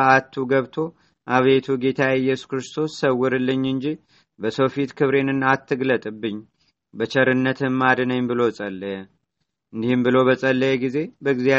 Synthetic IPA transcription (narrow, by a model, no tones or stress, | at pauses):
at̪ʰːuɡəβt̪ʰo̞ | ʔaβet̪ʰuɡe̞t̪ʰaɨjːɛsu̥kɾɨst̪ʰo̞sːəwːɨɾɨlːɨɲːɨnd͡ʒi | bəsowfit̪kʰɨβɾe̞nɨnat̪ːɨɡlət̪ʼɨbːɨɲː | bət͡ʃʰəɾɨnːət̪ʰɨmːad̪ɨnəɲbɨlo̞sʼəlːəjɛ | ɨnd̪ihɨmbɨlo̞βəsʼəlːəjɛɡize̞bəɡzia